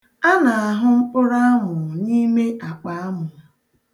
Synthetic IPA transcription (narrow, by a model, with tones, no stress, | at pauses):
a˦na˨a˨ɦʊ˦ŋ͡m̩˦k͡pʊ˦ɾa˦a˦mʊ˨ni˦me˦ʔa˨k͡pa˨a˦mʊ˨